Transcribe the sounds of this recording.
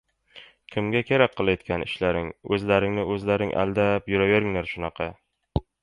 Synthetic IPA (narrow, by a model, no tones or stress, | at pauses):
kʲʰɪmɡʲakʲʰeɾak̚ʲqʰːɨlˠajt̪kʲʰanɪ̰ʃlaɾɪŋɵzlaɾɪŋnɪɵzlaɾɪŋʔa̰lˠd̪apjʊɾaveɾɪŋlaɾʃʊnɑqʰɑ